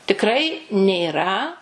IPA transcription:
tʲɪkˈrɐɪ nʲeːˈrɐ

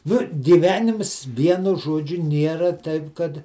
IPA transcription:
ˈnʊ ɡʲɪˈʋʲæːnʲɪms ˈʋʲiɛnʊ ˈʒuɔd͡ʒʲʊ ˈnʲiɛrɐ ˈtɐɪp ˈkɐt

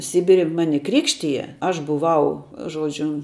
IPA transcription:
ˈsʲɪbʲɪrʲɪ ˈmɑːnʲɪ ˈkrʲɪkʃʲtʲɪjɛ ˈɐʃ bʊˈʋɐʊ ˈʒuɔd͡ʒʲʊ

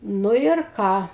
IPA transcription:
ˈnʊ ɪr ˈkɑː

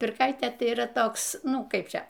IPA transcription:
pʲɪrˈkɐɪtʲeː ˈtɐɪ iːˈrɐ ˈtoːks ˈnʊ ˈkɐɪp ˈt͡ʃʲɛ

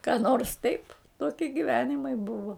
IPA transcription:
kɑː noːrs tɐɪp ˈtoːkʲiɛ ɡʲɪˈʋʲæːnʲɪmɐɪ ˈbʊʋoː

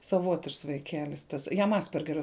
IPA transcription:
sɐˈʋoːtʲɪʃks ʋɐɪˈkʲæːlʲɪs ˈtɐs ˈjɛm ˈɑːsʲpʲɛrʲɡʲɛrʲoː

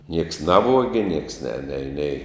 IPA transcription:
nʲiɛks ˈnɑːʋuɔɡʲɪ nʲiɛks nʲɛ nʲɛɪ nʲɛɪ

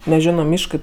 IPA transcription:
nʲɛˈʒʲæːnoː ˈmʲɪʃkɜ

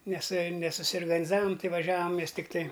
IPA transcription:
ˈnʲɛs nʲɛsʊsʲoːrɡɐnʲɪˈzɑːʋɐm ˈtɐɪ ʋɐˈʒʲæːʋɐm ˈmʲɛs tʲɪkˈtɐɪ

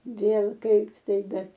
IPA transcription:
ˈʋʲeːlˠ ˈkɐɪp ˈtɐɪ ˈbʲɛt

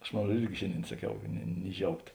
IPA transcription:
ˈɐʃ moːn ˈruɔt ˈɪrʲɡʲɪ ˈʃʲeːnʲˌdʲeːɪn sɐˈkʲɛʊ nʲɪ nʲɪ ˈʒʲɛʊkt

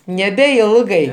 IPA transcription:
nʲɛbʲɛˈɪlˠɡɐɪ

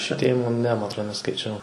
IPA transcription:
ʃʲʋʲɪˈtʲeːjɪmoː nʲɛ ˈmɐ ɐtˈroːt nʲɛskɐɪˈt͡ʃʲɛʊ

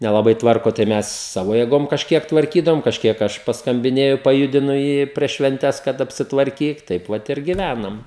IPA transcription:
nʲɛlˠɐˈbɐɪ ˈtʋɐrkoː tɐɪ ˈmʲɛs ˈsɑːʋoː jeːˈɡoːm kɐʃʲˈkʲiɛk tʋɐrʲˈkʲiːdɐʋoːm kɐʃʲˈkʲiɛk ˈɐʃ pɐskɐmʲˈbʲɪnʲeːjʊ pɐˈjʊdʲɪnʊ ˈjiː pʲrʲiɛʃ ʃʲʋʲɛnʲˈtʲɛs kɐt ɐpʲsʲɪtʋɐrʲˈkʲiːk ˈtɐɪp ʋɐt ɪr ɡʲɪˈʋʲænɐm

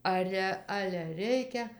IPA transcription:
ˈɑːrʲɛ ˈɑːlʲɛ ˈrʲɛɪkʲɛ

